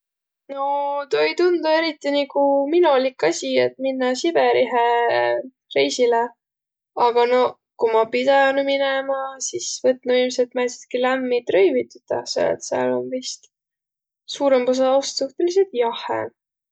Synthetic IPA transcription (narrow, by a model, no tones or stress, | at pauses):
no̞t̪ojt̪und̪ue̞ɾit̪ːˑinikuminolʲikːˑɑsʲiet̪ːminːɑsib̥eɾiɦe | re̞jsile | ɑɡ̥ɑno̞ | kumɑpid̪ɑnuminemɑsisvɤt̪ːnɑiːmselt̪mælsi̥t̪kilæmːit̪rø̞jvit̪ːut̪ɑ̰sḛḛt̪seɑ̰lo̞̰nvist̪ | suːɾempus̬ɑost̪suht̪e̞lis̬et̪jɑhḛ